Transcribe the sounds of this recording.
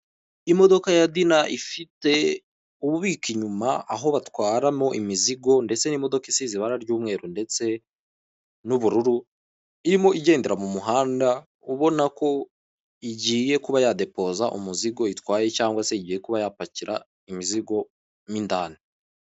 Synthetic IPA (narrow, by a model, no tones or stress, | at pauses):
imo̞do̞kajadinaʔifite̞ | uβuβikiɲumaaɦo̞βatwaːɾamo̞ʔimiziɡo̞nde̞t͡se̞nimo̞do̞kisiziβaɾaɾɟuːmŋe̞ːɾunde̞t͡se̞ | nuβuɾuɾu | iɾimo̞ʔiɟe̞ːndeɾamumuɦaːnda | uβo̞nako̞ | iɟiːje̞kuβajade̞po̞ːzaʔṵmuziɡo̞itwaːje̞caːŋɡwaseiɟiːje̞kuβajapaciɾa̰ | imiziɡo̞ | mindaːne